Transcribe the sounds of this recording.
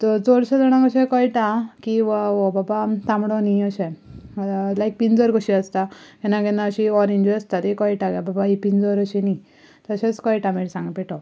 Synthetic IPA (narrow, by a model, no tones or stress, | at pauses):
t̪ɔd͡zɔɽɕad̪əɽ̃ãkəɕẽkɔjʈãkiʋaobabat̪ãmɽɔniəɕe | lajk̚pind͡zəɾkəɕiəst̪akɛnãɡɛnãəɕiɔɾẽɲd͡ʑiəst̪at̪ikɔjʈaɡababaipind͡zəɾəɕini | t̪əɕet͡skɔjʈameɽsãŋɡpeʈɔ